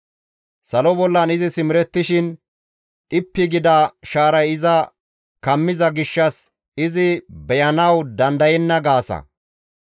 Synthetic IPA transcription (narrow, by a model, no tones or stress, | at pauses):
sɐlɔbɔlːɐnɪzɪsɪmɾɛt̪ːɪʃɪn | ʔɪpːɪɡɪd̪ɐʃaːɾɐjɪzɐ | kɐmːɪzɐɡɪʃːɐs | ɪzɪbɛjɐnɐwd̪ɐnd̪ɐjɛnːɐɡaːsɐ̰